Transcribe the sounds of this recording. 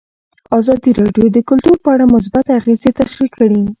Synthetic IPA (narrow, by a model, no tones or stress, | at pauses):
ɑzɑd̪iɾɑɖjod̪əkʊlt̪uɾpəaɽamʊs̬bat̪aɣezet̪aʃɾikʰːəɽi